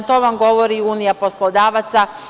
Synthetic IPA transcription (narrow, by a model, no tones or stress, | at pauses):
t̪o̞ʋamɡo̞ʋoɾiuːnijapo̞slˠod̪aːʋat̪sa